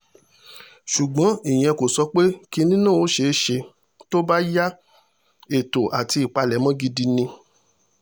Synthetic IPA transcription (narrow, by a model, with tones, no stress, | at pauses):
ʃu˨ɡ͡bɔ̃˨˦i˨j̃ɛ̃˧ko˨sɔ˧k͡pe˦ki˦nĩ˦nũ˦˨o˨˦ʃe˧˦ʃe˧ | to˦ba˦ja˦ | e˨to˨ʔa˨ti˧i˨k͡pa˧lɛ˨˦mɔ̃˦ɡi˧di˧nĩ˧